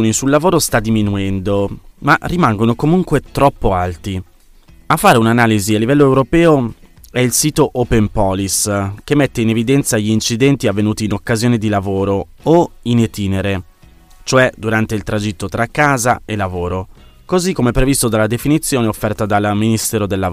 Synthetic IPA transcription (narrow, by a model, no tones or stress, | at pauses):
nisulːavoːɾost̪ad̪ːiminuɛnd̪omarimaŋɡonokomuŋkwet̪ɾɔpːoalt̪i | afːaːɾeunanaːlizialːivɛlːoewɾopɛːo | ɛilsiːt̪oʔopempɔliskemːet̪ːeinevid̪ɛnt̪saʎiint͡ʃid̪ɛnt̪iavːenuːt̪iːnokːazjoːned̪ilavoːɾo | oinet̪iːneɾe | t͡ʃoɛd̪uɾant̪eilt̪ɾad͡ʒit̪ːot̪ɾakːaːza̰elːavoːɾo | kozikːomɛpːɾevist̪od̪alːad̪efinit̪sːjoːneofːɛrt̪ad̪alminist̪ɛːɾod̪elːa